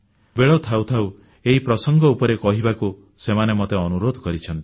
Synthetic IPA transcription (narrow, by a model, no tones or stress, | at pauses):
beɭɔt̪ʰawt̪ʰaw | eɦipɾɔsɔŋɡɔupɔɾekɔɦibaku | semanemɔt̪eɔnuɾod̪ʱɔkɔɾit͡ʃʰɔnt̪i̥